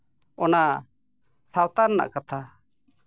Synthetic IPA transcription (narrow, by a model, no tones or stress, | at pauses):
ɔna | sawt̪aɾnːa̰ʔkat̪ʰa